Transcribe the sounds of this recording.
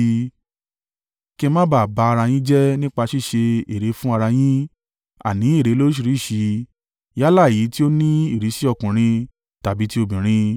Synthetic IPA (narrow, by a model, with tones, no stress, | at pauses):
ke˧mã˦ba˦˨ba˧a˧ɾa˧j̃ĩ˦d͡ʒɛ˦nĩ˦k͡pa˧ʃi˦˨ʃe˧e˨ɾe˨˧˦fũ˦a˧ɾa˧j̃ĩ˦ | a̰˨nĩ˨˦i˦˨ɾe˨˦lo˦ʃ̬i˧ɾi˨˦˨ʃi˨˧ | ja˦la˦˨i˨˦ti˦o˦nĩ˦i˦˨ɾi˨˦ʃi˦ɔ˧˨kũ˨ɾ̃ĩ˧ | ta˨bi˨˦ti˦o˧bĩ˨ɾ̃ĩ˧